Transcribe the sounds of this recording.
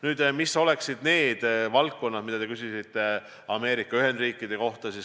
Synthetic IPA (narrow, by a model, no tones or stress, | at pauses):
nyːd̪̥misːo̞le̞ksid̪̥ne̞ːd̪̥vɑlk̪ko̞nːɑd̪mid̪̥ɑt̪e̞kysisit̪ːe̞ | ɑme̞ːɾikːˑɑyɦe̞nd̪riːkˑːid̪̥e̞ko̞ht̪ɑsis